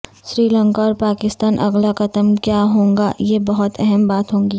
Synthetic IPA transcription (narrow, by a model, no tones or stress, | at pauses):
sɾiːlə̃ŋkaɔːɾpaːkɪst̪aːnʔɐ̰ɡlakɐt̪əmkjaɦõːŋɡa̰jebɐɦʊt̪ɛɦɛmbaːt̪ɦõːŋɡiː